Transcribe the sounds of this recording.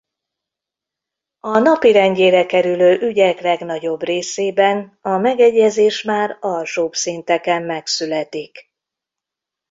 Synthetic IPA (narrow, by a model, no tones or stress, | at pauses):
ɒnɒpiɾɛnɟeːɾɛkɛɾyløːʔyɟɛklɛɡnɒɟo̞breːseːbɛnɒmɛɡɛɟːɛzeːʃmaːrɒlʃoːbsint̪ɛkɛmːɛksylɛt̪ik